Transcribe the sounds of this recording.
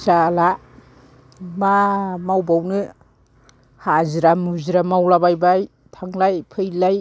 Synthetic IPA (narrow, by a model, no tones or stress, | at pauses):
sala | mamawbawnɯ | haziɾamuziɾamawlabajbaj | tʰaŋlajpʰɯjlaj